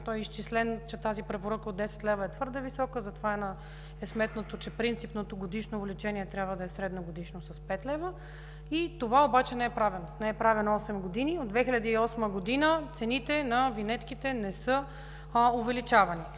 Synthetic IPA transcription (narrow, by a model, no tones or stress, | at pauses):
t̪ɔjist͡ʃislɛnt͡ʃɛt̪azipɾɛpoɾəkəod̪ːɛsɛ̥t̪lɛvɐɛt̪vɤɾd̪əvisɔkəzɐt̪ovaɛnɐ | ɛsmɛt̪not̪ot͡ʃɛpɾint̪sipnot̪oɡod̪iʃnovlit͡ʃɛniɛt̪ɾʲabvəd̪ɐɛsɾɛd̪noɡod̪iʃnosɐspɛt̪lɛvə | it̪ovaobat͡ʃɛnɛɛpɾavɛnnɛɛpɾavɛnɔsɛmɡod̪iniod̪d̪vɛxilʲəd̪iːɔsməɡod̪inət̪sɛnit̪ɛnɐvinɛt̪kit̪ɛnɛsɤ | ovɛlit͡ʃavɐni